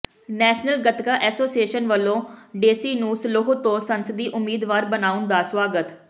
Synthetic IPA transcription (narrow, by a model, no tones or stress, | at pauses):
nɛːʃnəlɡət̪kaːʔɛːsoːsieːʃənʋəlːõːɖeːsiːnũːsəloɦot̪õːsənsəd̪iːʔʊmːiːd̪ʋaːɾbənaːʊnd̪aːswaːɡət̪